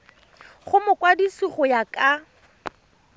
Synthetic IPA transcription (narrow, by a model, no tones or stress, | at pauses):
χʊmʊkʼwadisiχʊjakʼa